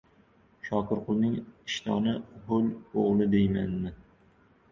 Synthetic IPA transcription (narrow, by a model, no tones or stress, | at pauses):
ʃɒkʰɪɾqʰʊlˠnɪŋɪʃt̪ʰɒnɪhʊloʁlˠɪd̪ejmanmɪ